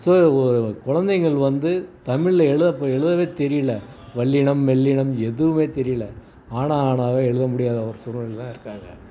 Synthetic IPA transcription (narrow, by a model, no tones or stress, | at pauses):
soːɔɾɯkʊɻɐnd̪ɐɪŋɡɐɭʋɐnd̪ɯt̪ɐmɪɻlɐɛɻɯðɐpːoːɛɻɯðɐʋeːt̪ɛɾɪjɪlɐ | ʋɐɭːɪɳɐmːɛɭːɪɳɐmɛðɯʋɯmeːt̪ɛɾɪjɪlɐ | aːɳaaːɳaːʋeːɛɻɯðɐmʊɽɪjaːðɐɐʋɐɾsʊɾɐnɐɭt̪ãːɪɾɯkːaːŋɡɐ̰